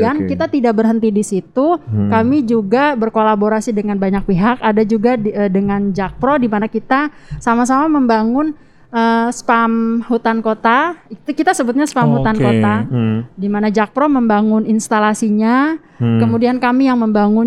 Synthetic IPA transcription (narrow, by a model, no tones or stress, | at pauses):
ankit̪at̪idak̚bərɦənt̪idisit̪ukamid͡ʒuɡabərkolaboɾasidəŋanbaɲak̚piɦakadad͡ʒuɡaədəŋand͡ʒak̚pɾodimanakit̪a | samas̬amaməmbaŋʊn | əspamhut̪ankot̪at̪kit̪asəbʊt̪̚ɲaspamhuankot̪adimanad͡ʒak̚pɾoməmbaŋʊninst̪alasiɲa | kəmudiankamijaŋməmbaŋʊn